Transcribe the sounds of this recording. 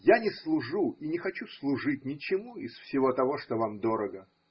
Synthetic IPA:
janʲɪslˠʊʐuinʲɪxɐt͡ɕuslˠʊʐɨt̚ʲnʲɪt͡ɕɪmuɪsfsʲɪvo̞t̪ɐvo̞ʂt̪ovamd̪o̞ɾəɡə

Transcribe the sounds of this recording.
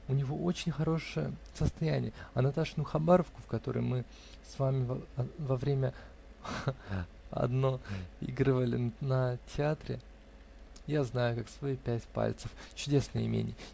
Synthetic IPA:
ʊnʲɪvo̞ʔo̞t͡ɕɪnʲxɐɾo̞ʂɨjə̰səst̪ɐjænʲɪ̰jəɐnɐt̪aʂnuxɐbaɾəfkʊfkɐt̪o̞ɾə̰jmɨ | svamʲɪvɐvɾʲemʲə | ɐ̰d̪no̞ḭɡɾɨvəlʲɪnnətʲɪat̪ɾʲɪ̰ | jaznajʊkaksvɐipʲætʲpa̰lʲt̪səft͡ɕʊdʲe̞snəjɪ̰mʲḛnʲɪ

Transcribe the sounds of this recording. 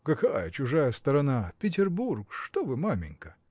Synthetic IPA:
kɐkajət͡ɕʊʐajəst̪əɾɐnapʲɪt̬ʲɪrburkʂt̪ovɨmamʲɪ̰ŋʲkə̥

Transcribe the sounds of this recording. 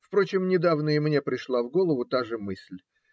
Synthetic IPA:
fpɾo̞t͡ɕɪmnʲɪd̪avnəjəmnʲe̞pɾʲɪʂlˠavɡo̞lˠəvʊt̪aʐɨmɨsʲlʲ

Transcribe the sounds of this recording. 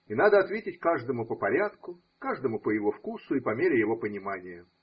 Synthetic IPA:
inad̪əɐt̪vʲetʲɪtʲkaʐd̪əmʊpəpɐɾʲat̪kʊ | kaʐd̪əmʊpəjɪvo̞fkusʊipɐmʲeɾʲɪjɪvo̞pənʲɪmanʲɪjə

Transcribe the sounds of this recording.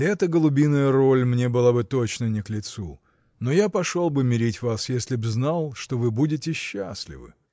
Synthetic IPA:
ɛt̪əɡəlˠʊbʲinːəjəɾo̞lʲmnʲe̞bɨlˠabɨt̪ot͡ɕnənʲɪklʲɪt̪su | no̞japɐʂolˠbɨmʲɪɾʲitʲvasjesʲlʲɪbznalˠʂt̪o̞vɨbudʲɪtʲɪɕːa̰sʲlʲɪ̰vɨ̰

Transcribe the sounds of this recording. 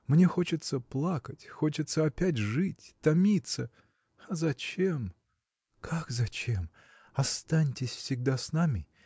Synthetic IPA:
mnʲexo̞t͡ɕɪt̪səplˠakətʲxo̞t͡ɕɪt̪səɐpʲæt̬ʲʐɨtʲt̪ɐmʲit̪sə | ɐzɐt͡ɕem | kʰakzɐt͡ɕem | ɐst̪anʲtʲɪsʲfsʲɪɡ̚d̪asnamʲɪ

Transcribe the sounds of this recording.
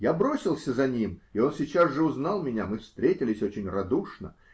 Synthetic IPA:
jabɾo̞sʲɪlˠsʲəzɐnʲimɪo̞nsʲɪt͡ɕazʐɨʊznalˠmʲɪnʲamɨfst̪ɾʲetʲɪlʲɪsʲo̞t͡ɕɪnʲrɐd̪uʂnə̰

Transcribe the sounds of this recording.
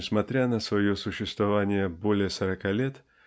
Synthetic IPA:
ɪsmɐt̪ɾʲanəsvɐjosʊɕːɪst̪vɐvanʲɪjəbo̞lʲɪjəsəɾɐkalʲe̞t̪

